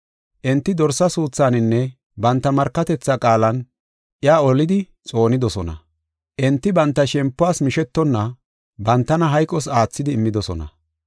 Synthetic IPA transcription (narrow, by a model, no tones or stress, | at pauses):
ʔɪnt̪ːɪd̪ɔɾsɐsuːt͡sːaːnɪnːɛ | bɐnt̪ːɐmɐɾkːɐt̪ɛt͡sːakʼaːlɐn | ʔɪjaːɔlɪd̪ɪ | t͡sʼo̞ːnɪd̪ɔsɔnɐ̰ | ʔɪnt̪ːɪbɐnt̪ːɐʃɛmpːʊaːsmɪʃɛt̪ːɔnːɐ | bɐnt̪ːɐnɐɦɐjkʼːɔs̬aːt͡sːɪd̪ɪːmːɪd̪ɔsɔ̰nɐ̰